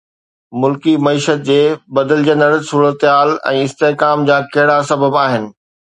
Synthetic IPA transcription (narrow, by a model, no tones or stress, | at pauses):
mʊlkimɐiːʃət̪̚d͡ʑeːbɐd̪əld͡ʑə̃nd̪əɽsuːɾət̪ɪɦaːlɛ̰̃ːɪst̪eɦkaːmd͡ʑãːkɐɦɪɽasɐbəbaːɦɪnɪ̆